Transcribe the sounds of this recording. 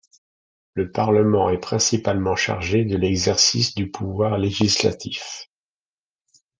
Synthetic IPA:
ləpaʁləmɑ̃ɛpχɛ̃sipalmɑ̃ʃa̰ʁʒed̪əlɛɡzɛʁsisd̪ypʰuvwaʁleʒisla̰t̪ʰif

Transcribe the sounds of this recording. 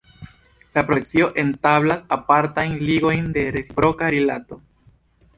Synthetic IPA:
lapɾokt͡sio̞ʔe̞ntaβlasapaɾtajnliɡo̞jnde̞ɾesipɾo̞kaɾelato̞

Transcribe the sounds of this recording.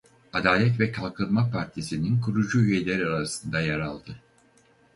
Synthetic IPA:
ad̪aːlʲɛt̪vɛkʰalˠkʰɯnmapʰaɾt̪ʰisininkʰuɾud͡ʒuyjelʲeɾiaɾasɯnd̪ajaɾalˠd̪ɯ

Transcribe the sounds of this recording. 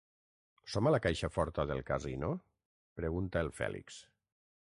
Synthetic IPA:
sɔmalakajʃafɔɾt̪aðelˠkazino | pɾeɣunt̪aelˠfɛ̰lḭks

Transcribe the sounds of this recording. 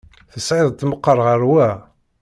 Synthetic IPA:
θəsʕiðˤt̪məqːəɾˤʁəɾwæ

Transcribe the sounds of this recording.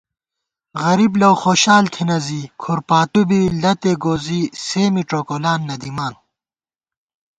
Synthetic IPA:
ɣɐɾiblɐwxoːɕaːlt̪ʰinɐziːkʰuɾpaːt̪ubilɐt̪eɡoːziːseːmiʈoːkolaːnːɐd̪imaːn

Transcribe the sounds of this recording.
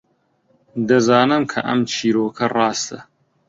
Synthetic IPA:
d̪ɐzɑːnɨmkʰɐ̰ʔɐ̰mt͡ʃʰiːɾoːkʰɐrˤɑːst̪ɐ

